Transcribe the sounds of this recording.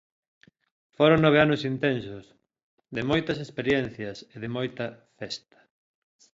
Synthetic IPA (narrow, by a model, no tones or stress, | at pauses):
foɾoŋnoβ̞eanosint̪ɛnsos | ðemojt̪ɐsespeɾjɛn̟θjɐseðɪmojt̪ɐfɛst̪ɐ̥